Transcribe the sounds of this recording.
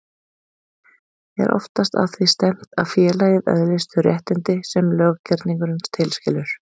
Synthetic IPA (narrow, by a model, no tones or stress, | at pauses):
ɛ̰ɾʔɔ̰ft̪ast̪a̰ðθvist̪ɛm̥t̪aðfjɛːlajɪðœ̰ðlɪst̪ʏrjɛht̪ɪnt̪ɪsɛmlœːɣcɛɾt̪niŋkʏɾɪnst̪ʰɪlscɪlʏɾ̥